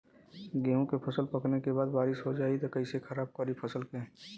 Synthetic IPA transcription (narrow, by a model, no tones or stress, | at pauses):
ɡeːõkepʰɐsəlpɐknekebaːd̪baːɾɪʃɦod͡ʒaːit̪okɐɪsekʰɐɾaːb̚kɔɾipʰɐsəlkẽ